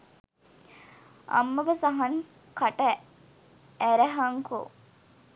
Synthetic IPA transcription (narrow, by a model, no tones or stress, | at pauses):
ɐ̰mːɐbɐsɐɦɐn | kɐʈɐ | æɾæɦɐŋko̰